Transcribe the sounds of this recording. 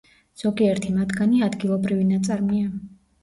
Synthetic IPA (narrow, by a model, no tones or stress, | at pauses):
z̥ɔɡiɛɾt̪ʰimat̪ʰɡaniad̪ɡilˠɔbɾivinat̪sʼaɾmia